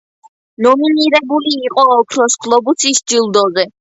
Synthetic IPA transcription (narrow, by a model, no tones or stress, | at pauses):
nɔminiɾɛbuliːqʼɔːkʰɾɔskʰlˠɔbusisd͡ʒilˠd̪ɔzɛ